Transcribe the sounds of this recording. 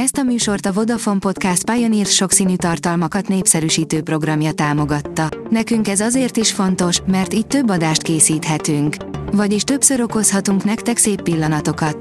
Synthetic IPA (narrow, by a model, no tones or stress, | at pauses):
ɛst̪ɒmyːʃo̞rt̪ɒvo̞d̪ɒfo̞mpo̞t̪kast̪̚pajoniːrsʃo̞ksiːnyːt̪ɒrt̪ɒlmɒkɒt̪neːpsɛɾyːʃiːt̪øːpro̞ɡrɒmjɒt̪aːmo̞ɡɒt̪ːɒnɛkyŋkɛzɒzeːrt̪iʃfo̞nt̪o̞ʃmɛrt̪iːt̪ːø̞bːɒd̪aːʃt̪keːsiːt̪ɦɛt̪yŋkvɒɟiʃt̪ø̞bsø̞ɾo̞ko̞shɒt̪uŋknɛkt̪ɛkseːpːilːɒnɒt̪o̞kɒt̪